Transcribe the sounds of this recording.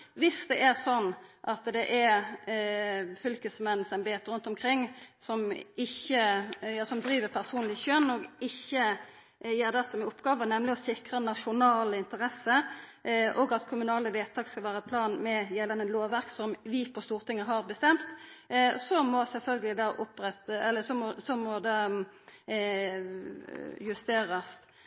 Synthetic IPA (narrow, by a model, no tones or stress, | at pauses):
ʋɪsd̪ɛʔæʁsɔnːʔɑt̪d̪ɛʔɛ | fʏlkəsmɛn̩ːsɛnbeːt̪ɾʉnt̪ɔmkʰɾɪŋːsɔmɪçːəjɑːsɔmd̪ɾiːʋəʁpʰæʁsuːnlɪʃœnːɔɡɪçːə | jeːʁd̪ɛsɔmɪʊpːɡ̥ɑːʋənɛmlɪɔsɪkʁənɑʂʊnɑːləɪnt̪əʁɛsə | ʔɔɡɑt̪kʰʊmʉnɑːləʋeːt̪ʰɑːɡskɑlʋæːɾəpʰlɑːnmɛjɛlɑnəloːʋʋæʁksɔmʋɪpʰɔst̪uːʁt̪ʰɪŋːəɦɑʁbəst̪ɛmt̪ | sɔmɔsɛlfœlɡəlɪd̪ɑʔʊpʁɛt̪ɛlːəsɔmɔsɔmɔd̪ɑ | jʉst̪eːɾɑs